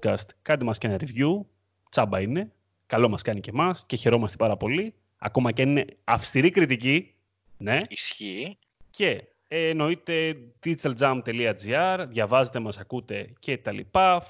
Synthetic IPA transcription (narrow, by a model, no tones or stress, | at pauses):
kɐst̪kɐt̪emɐscenɐɾivʝu | t͡sɐbɐine̞ | kɐlo̞mɐskɐnice̞mɐsce̞çe̞ɾo̞mɐst̪e̞pɐɾɐpo̞li | ɐ̰ko̞mɐcɐnine̞ɐfst̪iɾikɾit̪ici | ne̞isçi | ce̞ | eno̞it̪e̞d̪it͡s̪eld͡zɐmt̪e̞liɐd͡ziɐɾðʝɐvɐzet̪e̞mɐsɐkut̪e̞ce̞t̪ɐlḭpɐ